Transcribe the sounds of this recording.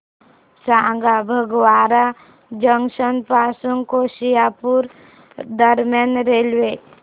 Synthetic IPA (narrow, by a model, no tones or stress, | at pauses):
sãːŋɡabʱəɡwaːɾa | d͡ʒəŋʃənpaːsuŋkoːʃijapuɾ | d̪əɾmjənɾeːlʋe